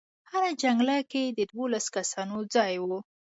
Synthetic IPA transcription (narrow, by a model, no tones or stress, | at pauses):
haɾad͡ʒaŋɡlaked̪əd̪wolaskasɑnod͡zɑjwu